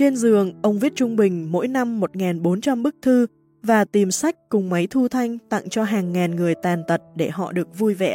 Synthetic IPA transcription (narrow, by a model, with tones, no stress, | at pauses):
t͡ɕe˧nzɨ˨˩əŋʔə˧wŋ͡mvi˦˥t̚t͡ɕʊ˧ŋ͡mɓï˨˩ŋ̟mo̰˧˥jna˧mːo˨˩t̚ŋaː˨˩nɓo˨˦nt͡ɕa˧mɓɨ˦˥k̚t̪ʰɨ˧ | vaː˨˩t̪i˨˩msa˦˥jk̟̚kʊ˨˩ŋ͡mma˨˦jt̪ʰu˧t̪ʰa˧jŋ̟t̪a̰˧˨ŋt͡ɕɔ˧ɦaː˨˩ŋːaː˨˩nŋɨ˨˩əjt̪aː˨˩nt̪ə˨˩t̚ɗe˧˩hɔ̰˧˨ɗɨ˨˩ək̚vu˧jvɛ̰˧˨